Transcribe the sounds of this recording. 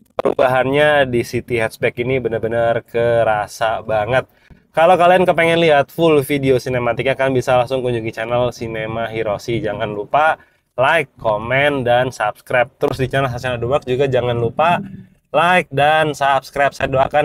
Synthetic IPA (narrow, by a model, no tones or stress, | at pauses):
pəɾṵbaɦanɲadisit̪iɦɛt̪spɛkinibənərbənarkəɾasabaŋət̪̚ | kalokaliankəpɛŋɛnliɦat̪̚fʊlfideosinemat̪ik̚ɲakanbisalaŋsʊŋkuɲd͡ʒuŋit͡ʃanɛlsinemaɦiɾosid͡ʒaŋanlupa | lajkʰːomɛndansapskɾap̚t̪əɾʊsdit͡ʃanɛlsasanadubak̚d͡ʒuɡad͡ʒaŋanlupa | laɪk̚dansapskɾap̚sadoakan